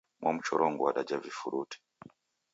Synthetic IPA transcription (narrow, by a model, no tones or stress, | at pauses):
mwʔamut͡ʃɔɾʔɔŋɡuwaɗad͡ʒavifuɾutɛ̥